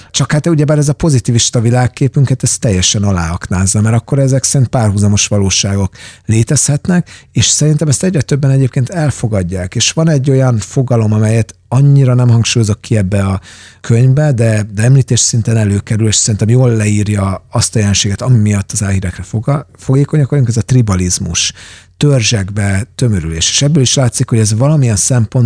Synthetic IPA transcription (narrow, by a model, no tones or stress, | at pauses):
t͡ʃɒkhaːt̪uɟɛbaːɾɛzɒpo̞zit̪iːviʃt̪ɒvilaːkːeːpyŋkɛt̪ɛst̪ːɛjːɛʃɛnɒla̰ːɒknaːzːɒmɛɾɒkːo̞ɾɛzɛksɛɾint̪̚paːrɦuzɒmo̞ʃʋɒloːʃaːɡo̞kleːt̪ɛshɛt̪nɛkeːʃsɛɾint̪ɛmɛst̪ɛɟʲrɛt̪øbːɛnɛɟeːp̚keːnt̪ɛlfo̞ɡɒɟːaːkeːʃʋɒnɛɟːo̞jɒnfo̞ɡɒlo̞mɒmɛjɛt̪ | ɒɲːiɾɒnɛmɦɒŋkʃuːjo̞zo̞kːiɛbːɛɒkʰøɲvbɛd̪ɛd̪ɛɛmliːt̪eːʃsint̪enɛløːkɛɾyleːʃsɛɾint̪ɛmjoːlːɛiːrjɒɒst̪ɒjɛlɛnʃeːɡɛt̪ɒmimijɒt̪ːɒzaːlhiːɾɛkrɛfofoɡeːko̞ɲɒkʋɒjuŋkɛzɒt̪ribɒlizmṵʃt̪ørʒɛɡbɛt̪ø̞møɾylḛːʃe̥ːʃɛbːøːliʃlaːt̪sikhoɟɛzvɒlɒmijɛnsɛmpo̞n